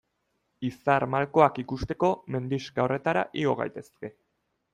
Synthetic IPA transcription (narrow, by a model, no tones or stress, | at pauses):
isaɾmalko̞akikust̪e̞ko̞me̞nd̪iskao̞re̞t̪aɾa̰ʔiɣo̞ɣa̰jt̪e̞ske̞